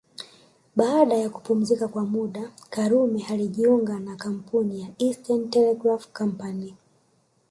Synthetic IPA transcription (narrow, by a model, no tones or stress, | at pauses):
ɓaːɗajaku̥pum̩zikakwamuɗakaɾumɛhaliʄiuŋɡanakam̩punijaistantɛlɛɡɾafkam̩pani